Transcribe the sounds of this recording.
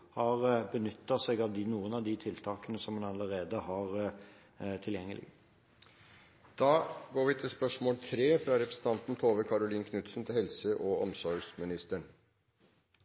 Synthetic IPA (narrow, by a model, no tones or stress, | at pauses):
hɑʁbənʏt̪ːɑseːɡɑʋd̪ɪnuːənɑʋd̪ɪt̪ʰɪlt̪ʰɑːkənəsɔmhɑnɑləɾeːd̪əhɑʁ | t̪ʰɪljɛŋːəlɪ̰ɡ | d̪̥ɑːɡoːɾʋɪt̪ʰɪlspœʂmoːlt̪ʰɾeːfɾɑɾɛpɾəsn̩t̪ɑnt̪n̩t̪ʰoːʋəkʰɑɾʊliːnkʰnʉt̪sn̩t̪ʰɪlhɛlsəʔɔɔmsɔɾɡsmɪnɪst̪əɳ